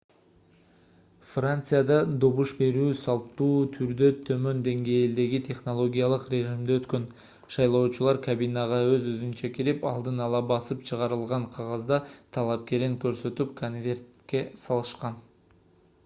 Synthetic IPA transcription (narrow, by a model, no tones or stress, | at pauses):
frant̪sɨjad̪ɑd̪o̞βuʃbe̞ɾyːsɑlˠt̪ːuːt̪ʰyɾd̪ø̞t̪ʰø̞mø̞nd̪e̞ŋɡejld̪e̞ɡit̪ʲʰe̞χno̞lˠo̞ɡʲijalˠəqrʲe̞ʒimd̪øøt̪kø̞n | ʃɑjlˠo̞ːt͡ʃulˠɑɾkabinɑʁɑøzøzynt͡ʃækʲiɾipɑlˠd̪ɯnɑlˠɑbɑsɯpt͡ʃʰɯʁɑɾɯlˠʁɑɴqʰɑʁɑzd̪ɑt̪ʰɑlˠɑp̚ke̞ɾiŋkøɾsø̞t̪yp̚kʰonvʲe̞rt̪kʲe̞sɑlˠɯʃqɑn